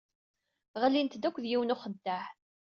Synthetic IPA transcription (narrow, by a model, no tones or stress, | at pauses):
ʁəlːint̪d̪ækʷːðjiwənʊχəd̪ːaħ